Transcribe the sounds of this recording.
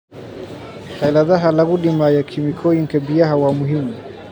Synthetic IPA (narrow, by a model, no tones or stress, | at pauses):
tajlaðaɦalaɣuɗimajakʰimikʰɔiŋ̩kɛbiaɦawamuɦimu